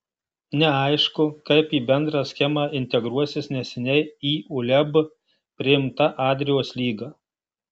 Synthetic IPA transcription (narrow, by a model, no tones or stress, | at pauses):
nʲɛɐɪʃkʊkɐɪpiːbʲɛnd̪ɾɑːsʲxʲɛmɑːʔɪnʲt̪ʲɛɡɾuɔsʲɪsnʲɛsʲɛnʲɛɪiːʊlʲɛb | pʲɾʲɪɪmt̪ɐʔɑːd̪ʲɾʲɪjoːslʲiːɡɑː